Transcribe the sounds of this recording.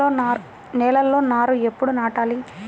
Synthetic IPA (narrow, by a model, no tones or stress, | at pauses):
o | nɛːlɐlːo̞ːnaːɾuepːuɽunaːʈaːli